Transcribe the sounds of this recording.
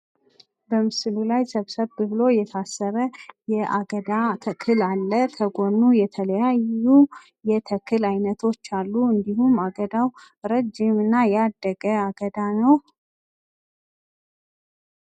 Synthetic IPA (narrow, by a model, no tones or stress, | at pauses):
bəmɨsɨlulajsəβsəβbɨβɨlo̞jɛt̪ʰasːəɾəjɛʔaɡəd̪at̪ʰəkʰɨlalːət̪ʰəɡo̞nːujɛt̪ʰələjaju | jɛt̪ʰəkʰɨlajnət̪ʰo̞t͡ʃːalːuɨnd̪ihumaɡəd̪aw | ɾəd͡ʒɪmɨnːajad̪ːəɡəaɡəd̪anəw